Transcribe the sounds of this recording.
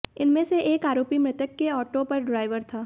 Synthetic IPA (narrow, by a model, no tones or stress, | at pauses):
ɪnmẽseʔeːkaːɾoːpimɾɪt̪əkːeɔːʈopɐɾɖɾaːɪʋəɾt̪ʰaː